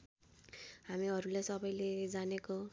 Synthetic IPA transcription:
ɦamiʌɾulejsʌbʌjled͡zaneko

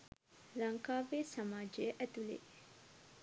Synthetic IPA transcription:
lɐŋkaːʋeːsɐmaːd͡ʒejəʔæt̪ulḛ

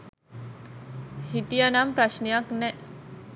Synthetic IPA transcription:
hit̪ijanampɾaʃnejaknɛʔ

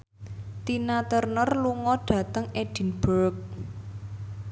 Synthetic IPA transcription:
t̪inat̪ərnərluŋɔɖ̥ä̤t̪əŋeɖ̥i̤nb̥əɾk̚

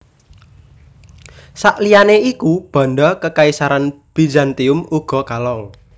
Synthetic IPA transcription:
saʔlijaneikub̥a̤nɖɔkəkaisaɾanb̥id͡ʒant̪iʊmuɡ̥ɔ̤kalɔŋ

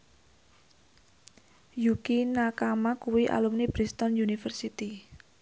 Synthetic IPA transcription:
jukinakamakuwiʔa̰lumnib̥ɾist̪ɔnjunifərsit̪i

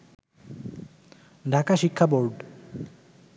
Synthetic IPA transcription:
ɖʱakaʃikʰːaboɾɖ

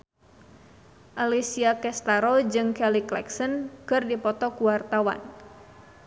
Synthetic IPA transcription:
ʔalisiakɛst̪aɾɔd͡ʒɨŋkɛliklɛ̰ksənkɨrdipɔt̪ɔkuwart̪awa̰n

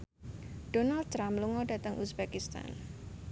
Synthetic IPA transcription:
ɖ̥onald̪̚t̪ɾamluŋɔɖ̥a̤t̪əŋʔusbakist̪a̰n

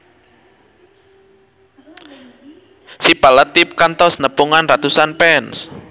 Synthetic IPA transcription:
sib̥alət̪ːip̚kant̪ɔsnəpuŋanrat̪usanpɛns

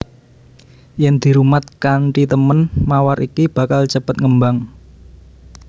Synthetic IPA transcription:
jɛnd̪̥i̤ɾumat̪̚kaɳʈit̪əmənmawaɾikib̥a̤kalt͡ʃəpət̪̚ŋəmbaŋ

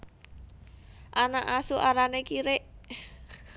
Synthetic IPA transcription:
ʔanaʔasuʔaɾanekiɾeʔ

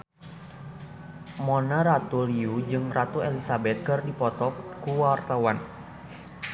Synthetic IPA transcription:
mɔnaɾat̪uliud͡ʒɨŋrat̪uɛlisabɛt̪̚kɨrdipɔt̪ɔkkuwart̪awan

